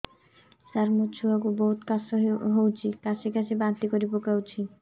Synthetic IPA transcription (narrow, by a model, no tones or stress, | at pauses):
saɾmot͡ɕʰuakuboɦut̪kasoɦowt͡ɕʰikaʃekat͡ɕʰebant̪ikoɾipokawt͡ɕʰi